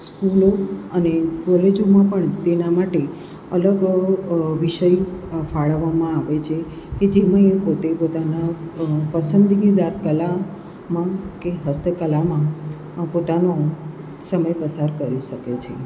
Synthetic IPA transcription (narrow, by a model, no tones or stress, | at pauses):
skuloənekɔled͡ʒomãpəɳt̪enamaʈe | ələɡ | ʋiʃəjfaɭəʋːamãaʋet͡ʃʰe | ked͡ʒemãepot̪epot̪anapəsənd̪ʱiɡid̪aɾkəla | mãkeɦəst̪ʰəkəlamã | pot̪ano | səməjpəsaɾkəɾiʃəket͡ʃʰḛ